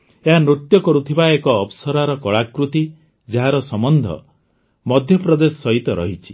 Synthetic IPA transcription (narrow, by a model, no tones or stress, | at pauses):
eɦanɾut̪jɔkɔɾut̪ʰibaekɔːpsɔɾaɾɔkɔɭakɾut̪i | d͡ʒeɦaɾɔsɔmɔnd̪ʱɔ̰ | mɔd̪ʱjɔpɾɔd̪esɔsɔɦit̪ɔɾɔ̰ɦit͡ʃʰi̥